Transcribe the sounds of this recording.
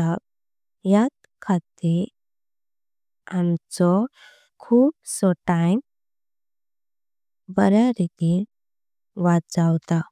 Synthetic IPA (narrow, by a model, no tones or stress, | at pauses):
a | jat̪ | kʰat̪iɾ | amt͡sɔ | kʰuːp̚sɔʈajm | bəɾaɾiɡi | ʋat̪̚d͡zawt̪a